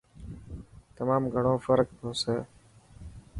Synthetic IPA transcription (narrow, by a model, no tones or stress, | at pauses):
t̪əmaːmɡʱəɳõːfəɾkt̪ʰõːseː